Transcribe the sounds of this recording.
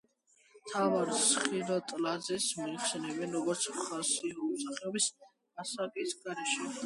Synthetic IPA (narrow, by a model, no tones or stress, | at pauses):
mt̪ʰavaɾsχiɾɔt̪ʼlad̪zɛsmɔiχsɛnɛbɛnɾɔɡɔɾt̪sʰχasiɔsaχɛɔbis | asakʼisɡaɾɛʃɛ